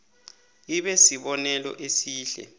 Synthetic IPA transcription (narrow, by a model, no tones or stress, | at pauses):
iɓɛsiɓɔnɛlɔ̰ʔesiːɬɛ̰